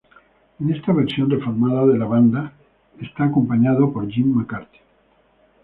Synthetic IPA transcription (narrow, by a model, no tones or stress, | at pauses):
ene̞st̪aβe̞ɾsjo̞nre̞foɾmaðaðe̞laβand̪a | est̪aːko̞mpaɲaðo̞po̞ɾʝimːakaɾt̪i̥